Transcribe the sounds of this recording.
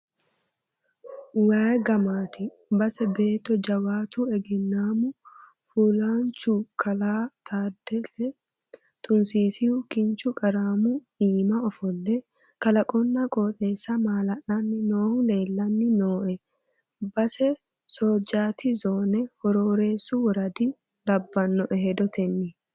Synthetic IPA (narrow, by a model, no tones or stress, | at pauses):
waːjɡɐmaːt̪ɪ | bɐsɛbeːt̪ːɔd͡ʒɐwaːt̪uɛɡɛnːaːmʊ | fuːlaːnt͡ʃʊkʰɐlaːt̪ʰaːd̪ːɛlɛ | t̪ʼʊnsiːsɪhʊkɪnt͡ʃʊkʼɐɾaːmʊ | iːmɐɔfɔlːɛ | kɐlɐkʼɔnːɐkʼo̞ːt̪ʼe̞ːsːɐmaːlɐʔɐnːɪnoːhʊle̞ːlːɐnːɪnoːʔɛ | bɐsɛ | soːd͡ʒaːt̪ɪzoːnɛhɔɾoːɾeːsːʊwɔɾɐd̪ɪ | lɐbːɐnːɔʔɛhɛd̪ɔt̪ʰɛnːɪ